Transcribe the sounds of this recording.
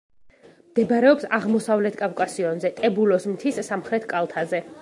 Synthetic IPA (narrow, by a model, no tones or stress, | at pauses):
md̪̥ɛbaɾɛɔpsaʁmɔsavlɛt̪ʰkʼavkʼasiɔnzɛt̪ʼɛbulɔsmt̪ʰisːamχɾɛt̪ʰkʼalˠt̪ʰazɛ